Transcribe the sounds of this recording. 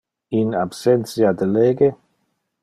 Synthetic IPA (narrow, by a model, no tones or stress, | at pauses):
inabsɛnt̪sjad̪eleːɡe